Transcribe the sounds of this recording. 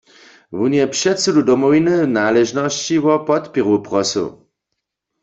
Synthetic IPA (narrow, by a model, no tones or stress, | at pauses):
wunjɛpʃɛtsududɔmɔwinɨnaːlɛʒnɔst͡ɕiwɔpɔt̪piʁupʁɔsṵ